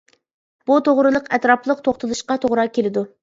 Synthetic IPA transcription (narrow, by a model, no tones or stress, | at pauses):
b̥ut̪ʰoʁɾɨlˠəqɛt̪ɾɑplˠəq̚t̪ʰoχt̪ɨlˠuʃqɑt̪ʰoʁɾɑkʲelɪd̪u